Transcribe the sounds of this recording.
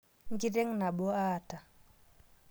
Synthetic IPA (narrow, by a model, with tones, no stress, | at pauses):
ŋɡi˦de˦ŋna˨bɔ˦aːta˨